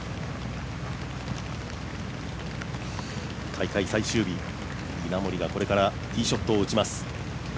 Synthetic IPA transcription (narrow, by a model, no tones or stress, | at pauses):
k̪ʰaikaisaiɕɨːbʲi | mʲinamo̞ɾʲiɡako̞ɾe̞kaɾa | kʲiːɕo̞t̪ːoːɯ̟t͡ɕimasɨ̥